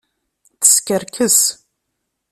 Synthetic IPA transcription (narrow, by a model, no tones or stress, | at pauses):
θə̥skʲəɾkʰəs